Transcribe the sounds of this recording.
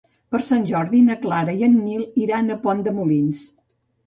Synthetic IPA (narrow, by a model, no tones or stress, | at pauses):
pəɾsanʲʒɔɾðinəklaɾəiənːilˠiɾanəpɔnd̪əmulins